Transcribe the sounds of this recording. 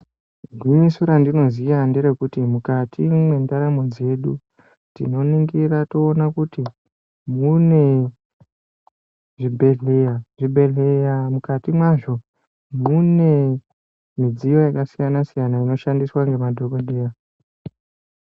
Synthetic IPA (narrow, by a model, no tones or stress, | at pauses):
ɡʱwiɲisuɾandino̞zijandeɾekutimukatʰimwe̞ndaɾamo̞d͡ze̞ɗu | tḭno̞niŋɡiɾatoːnakuti | mune̞ | ʐibʱe̞ɮe̞jaʐibʱe̞ɮe̞jamukatimwaʐo̞ | mune̞ | mid͡zijo̞jakasijanasijanaino̞ʃandiswaŋɡe̞madʱo̞ko̞ɗe̞ja